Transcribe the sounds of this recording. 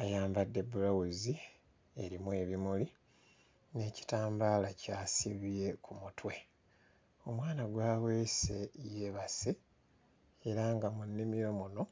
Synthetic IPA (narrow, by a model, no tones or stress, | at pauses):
ajaːmbadːe̞bulawuzi | e̞̰ɾimue̞ːβimuli | ne̞ːci̥taːmbaːlacaːsiβie̞kʰumutʰwe̞ | o̞mwaːnaɡwaːwe̞ːse̞jeβase | eɾaŋɡamunːimijo̞muno̞